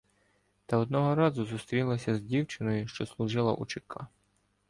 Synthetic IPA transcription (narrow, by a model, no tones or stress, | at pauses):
t̪ɐɔd̪̚nɔɦɔɾɑzʊzust̪ɾʲilˠɐsʲɐzdʲiwt͡ʃɪnɔjʊʃt͡ʃɔslˠʊʒɪlˠɐ̰ʔṵt͡ʃɪkʰɑ